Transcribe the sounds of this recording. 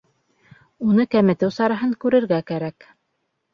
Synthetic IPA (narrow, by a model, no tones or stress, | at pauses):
unɤkæmɘ̆t̪ɘwsɑɾɑɦɤŋkʉɾɘ̆ɾɡækæɾæk